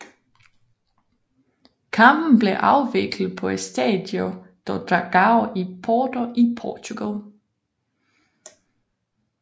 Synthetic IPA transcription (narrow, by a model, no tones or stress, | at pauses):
kʰɑ̈mb̥n̩b̥le̝ʔɑ̈ʊʋe̝ɡ̥lð̩ˠpʰɒ̽e̝d̥sd̥ɛ̰ːd̥jɔd̥ɒd̪̥ʁɑ̈ɡ̥ɑ̈ʊipʰɒːdoʔipʰɒːt͡sʰuɡ̥æl